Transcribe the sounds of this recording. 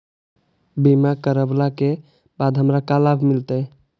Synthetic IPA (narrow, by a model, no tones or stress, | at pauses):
bimakəɾəblake | bad̪ɦəmɾakalabʱmilt̪ə